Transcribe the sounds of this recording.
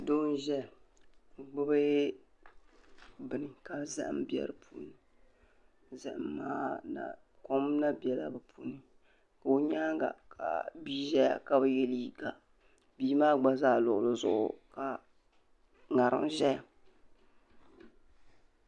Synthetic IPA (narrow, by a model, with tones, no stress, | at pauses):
do˦n˦ʒɛ˦˨ | ɡ͡bʊ˦bɨ˦ | bɨ˨nɨ˨ka˨˦za̰˦ʔm˦bɛ̰˦ɾɨ˦pʰuː˨ni˨ | zɨ˨ʔmːaː˦na̰˨ | ko˦m˦na˦bɛ˨la̰˦bɨ˨pʰuː˨˦nɨ˦ | ka˨o˦ɲaː˦ŋ˦ɡa̰˨kʰa̰˨biː˦ʒɛ˦ja̰˨ka˦bɨ˨jɛ˦li˦ɡa˨ | biː˦maː˦ɡ͡ba˦zaː˦˨lʊ˨ʔʊ˨lɨ˦zʊ̰˦ʔʊ̰˨ka˨ | ŋa˨ɾɨ̰˦m˨ʒɛ˦ja˨